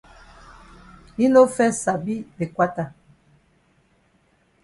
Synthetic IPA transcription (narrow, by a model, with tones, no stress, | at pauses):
i˦no˦fɛ˦sa˨bi˦de˨kwa˦ta˨